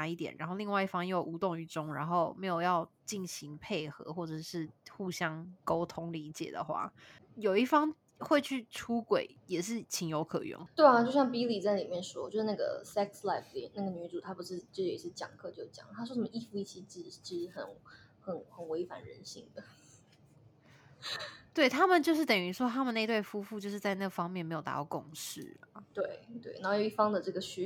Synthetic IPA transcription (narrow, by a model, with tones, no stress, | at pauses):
a˥i˥˩t̪jɛ̰˨˩nɻa̰˧nxo˥˧li˥˧ŋwa˥˧ɪi˥˩fɑ˥ŋjjo˨˩u˧˥t̪ʊ˥˩ŋy˧˩ʈ͡ʂʊ˥ŋɻa˧˥nxo˥˧ʊme˧˥ɪjo˨˩ʊjɑ˥˧ʊt͡ɕi˥˩nɕi˧˦ŋpʰe˥˩ɪxɤ̰˧˦xwɔ˥˩ʈ͡ʂɤ˨˩ʂɻ̩˥˩xu˥˩ɕjɑ˥ŋko˥ʊt̪ʰʊ˥ŋli˧˥t͡ɕjɛ̰˨˩d̪ə̰˩xwa̰˥˩ | jo˨˩ʊi˥˩fɑ˥ŋ | xwe˥˧ɪt͡ɕʰy˥˩ʈ͡ʂʰu˥kwḛ˨˩˦ɪjɛ˨˩ʂ̬ɻ̩˥˩t͡ɕʰi˧˥ŋjo˧˥ʊkʰɤ̰˨˩ɥɔ̰˧˥˦ŋt̪we˥˩ɪa˨t͡ɕjo˥˧ɕjɑ˥˩ŋpi˧˥li˨˩t͡sa˥˩ɪli˨˩mjɛ˥˩nʂwɔ˥t͡ɕjo˥˧ʂɻ̩˥na˥˩ɡə̰˩sɛ˥ksla˥˩ɪfli˨˩na˥˩ɡə˩ny˧˥t͡su˨˩t̪ʰa˥pu˧˥ʂɻ̩˥˧t͡ɕjo˥˩ji˧˩t͡s̩ʰ˥t͡ɕjɑ̰˨˩ŋkʰɤ˥˧t͡ɕo˥˩t͡ɕjɑ̰˨˩˦ŋ˩t̪ʰa˥ʂwɔ˥ʂə˨˩mə˦i˥˩fu˥i˥˩t͡ɕʰi˥t͡ɕi˥˩t͡ɕʰi˧˥ʂɻ̩˥xə̰˨˧˥n | xə˨˩nxə˨˩nwe˧˥ɪfa̰˨˩nɻə̰˧˥nɕi˥˩ŋd̪ə˩ | t̪we˥˩ɪt̪ʰa˥mə˨nt͡ɕjo˥˧ʊʂ̬ɻ̩˥˩t̪ə˨˩ŋy˧˥ʂwɔ˥t̪ʰa˥mə˨na˥˧t̪we˥˩ɪfu˥fu˥˧t͡ɕjo˥˧ʊʂɻ̩˥˧t͡sa˥˧na˥˩ɡə˩fɑ˥ŋmjɛ˥˩nme˧˥jt̪a̰˧˥t̪ɑ̰˥˩kʊ̰˥˧ŋʂɻ̩̰˥˩ə˩t̪we˥˩ɪt̪we˥˩ɪa˧˩˥o˥˩jo˨˩i˥˩fɑ˥ŋd̪ə˨ʈ͡ʂɤ˥˩ɡə˩ɕy˥